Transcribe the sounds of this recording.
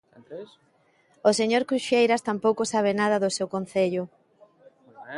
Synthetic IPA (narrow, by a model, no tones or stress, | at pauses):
oseɲoɾkɾuʃejɾɐst̪ampowkosaβ̞enað̞ɐðʊsewkon̟θeʎʊ